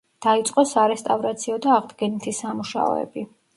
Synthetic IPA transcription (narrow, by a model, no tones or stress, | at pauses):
d̪̥ait̪sʼqʼɔsaɾɛst̪ʼavɾat̪sʰiɔd̪aːʁd̪ɡɛnit̪ʰisamuʃa̰ɔ̰ɛ̰bi